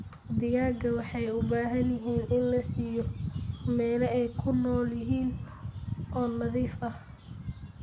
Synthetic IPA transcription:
d̪ɪjaːɡɐwɑħɑjʊbaːɦɐnjɪɦiːnʔɪnlɐsiːjɔmɛːlɛɛjkʰʊnɔːljɪɦiːn | ʔɔːnɐðiːfɐh

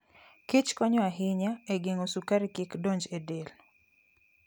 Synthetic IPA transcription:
kit͡ʃkɔɲɔaɦɪɲaeɡeŋosukaɾikɪkdoɲd͡ʒedel

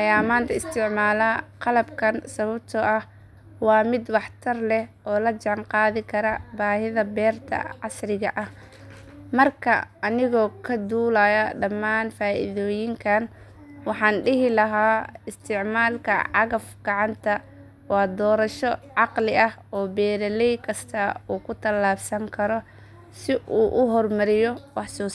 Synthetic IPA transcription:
ɐjaːmaːnt̪ʰɐɪst̪ʰɪʕmaːlaqɑlɐbkʰɐnsɐβɐb̚t̪ʰɔʔɐh | wɑːmɪd̪wɑħt̪ʰɐrlɛhʔɔːlɐt͡ʃɐnqɑːðɪkʰɐɾɐbaːhɪðɐbɛːrt̪ʰɐ̰ʕɑsrɪɣɐʔɐh | mɐrkʰɐ̰ːnɪɣɔːkʰɐd̪uːlajɐɖɐmːaːnfaːʔɪ̰ðɔːjɪŋkʰɐn | wɑħɑːnɖɪɦɪlɐɦaːɪst̪ʰɪʕmaːlkʰɐ̰ʕɑɣɐfɡɑʕɑnt̪ʰɐ | wɑːd̪ɔːɾɐʃɔʕɑqlɪʔɐh | ɔːbɛːɾɐlɛjkʰɐst̪ʰɐuːkʰʊt̪ʰɐlːaːbsɐŋkʰɐɾɔ | sɪʔuːʔʊɦɔrmɐɾɪjɔwɑħsuːs

